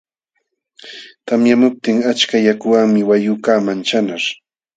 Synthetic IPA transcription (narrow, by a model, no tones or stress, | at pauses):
t̪amjamʊp̚t̪ɪŋat͡ʃkajakʊwaŋmɪwajʊkaːmant͡ʃanaɾ